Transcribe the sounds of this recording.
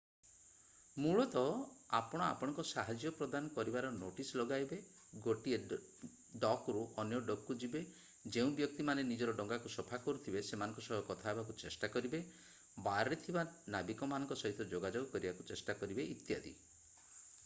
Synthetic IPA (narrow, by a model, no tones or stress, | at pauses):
muɭɔt̪ɔapɔɽ̃ɔa̰pɔɽ̃ɔ̃ŋkɔsaɦad͡ʒjɔpɾɔd̪anɔkɔɾibaɾɔnoʈislɔɡajbe | ɡoʈie | ɖɔkɾuʔɔnjɔɖɔkːud͡ʒibe | d͡ʒeũbjɔk̚t̪imanenid͡ʒɔɾɔɖɔŋɡakusɔpʰakɔɾut̪ʰibesemanɔ̃ŋkɔsɔɦɔkɔt̪ʰaebakut͡ʃesʈakɔɾibe | baɾːet̪ʰibanabikɔmanɔ̃ŋkɔsɔɦit̪ɔd͡ʒoɡad͡ʒoɡɔkɔɾibakut͡ʃesʈakɔɾibeʔit̪ja̰d̪ḭ